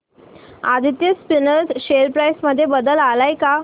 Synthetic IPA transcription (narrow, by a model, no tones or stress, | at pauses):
ad̪ʱit̪jəspinəɾsɕelpɾajsməd̪ʱːjebəd̪əlalajka